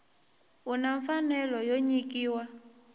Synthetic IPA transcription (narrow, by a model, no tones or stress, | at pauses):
unaɱfanɛlɔjoɲikiːwa